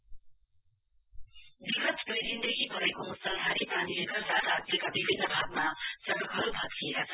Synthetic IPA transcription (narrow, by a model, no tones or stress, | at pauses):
biɡʌt̪pʌjɾind̪ʌɡibʱʌekousʌlɦaɾipanilekʌɾdaɾat̪jʌkabibʱinːʌbʱaɡ̚masʌɡʌkɦʌɾubʱʌt̪ːʰieɾasʰʌ